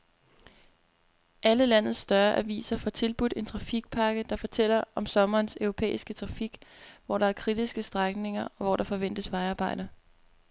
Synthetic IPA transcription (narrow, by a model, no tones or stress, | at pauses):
ʔæləlæn̰ð̩ˠsːd̥ɶɐʔæʋḭːsɐfɒ̽t͡sʰe̝lb̥ud̥e̝nt͡sʰʁɑ̈fiɡ̥̚pʰɑ̈ːɡ̥əd̥ɑ̈fɒ̽t͡sʰel̰ɐɒ̽msɒ̽mɐːnsœʊʁo̝pʰḛːisɡ̥ət͡sʰʁɑ̈fiɡ̥ʋɒ̰ɾ̥ɑ̈æɐkʰʁid̥isɡ̥əsd̥ʁaɡ̥ne̝ŋɐɒ̽ʋɒɾ̥ɑ̈fɒ̽ʋen̰d̥əsʋɑ̈ɪɑːb̥ɑ̈ɪ̰d̥ɐ